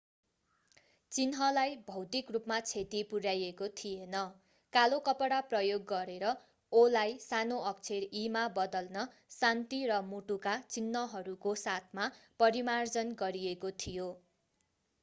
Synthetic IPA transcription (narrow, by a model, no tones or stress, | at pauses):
t͡sinɦʌlajbʱʌwt̪ikrupmat͡sʰet̪ipuɾjajekot̪ʰijenʌ | kalokʌpʌɽaprʌjoɡːʌɾeɾʌ | olajsanoʌk̚t͡sʰerimabʌd̪ʌlnʌ | sant̪irʌmuʈukat͡sinːʌɦʌɾukosat̪ʰmapʌɾimard͡zʌnɡʌɾiekot̪ʰijo